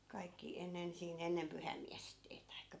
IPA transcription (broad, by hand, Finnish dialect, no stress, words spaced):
kɑikːi enːen siːn enːem pyhæi̯mːiæsteː tɑikːɑ